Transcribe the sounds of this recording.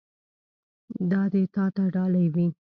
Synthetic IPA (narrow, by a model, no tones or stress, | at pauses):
d̪ɑd̪et̪ɑt̪aɖɑlajwi